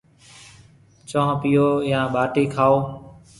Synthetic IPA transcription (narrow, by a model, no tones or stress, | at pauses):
t͡ʃʋãːpijoːjãːɓaːʈiːkʰaːoː